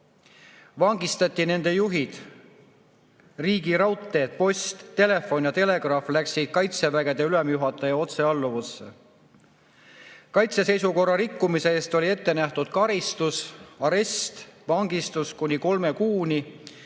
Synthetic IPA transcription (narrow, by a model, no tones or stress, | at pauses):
vɑŋɡ̥ist̪ɑt̪ʲːˑine̞nd̪̥e̞juɦid̪̥ | riːɡiɾɑwt̪ˑːe̞ːt̪̚po̞st̪t̪ːe̞le̞fːo̞njɑt̪e̞le̞ɡ̥rɑflæksid̪̥̚kɑjt̪se̞væɡe̞d̪̥e̞ylemjuɦɑt̪ːˑɑjɑo̞t̪se̞ɑlːuvusːḛ | kɑjt̪sese̞jsuko̞rːɑɾikːumise̞eːst̪o̞lʲie̞t̪ːe̞næht̪ud̪̥̚kɑɾist̪usɑɾe̞st̪vɑŋɡ̥ist̪uskunʲiko̞lme̞kuːnʲi